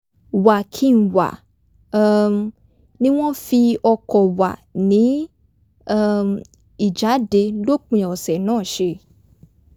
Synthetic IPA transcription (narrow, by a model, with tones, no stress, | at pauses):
wa˨kʰi˦n̩˨wa̰˨ | nĩ˦w̃ɔ̃˦fi˧ɔ˧kɔ˨wa̰˨nĩ˨˦˧ | i˨d͡ʒa˨˦de˧lo˦k͡pĩ˨˧ɔ˨sɛ˨nãː˦˨ʃe˧˦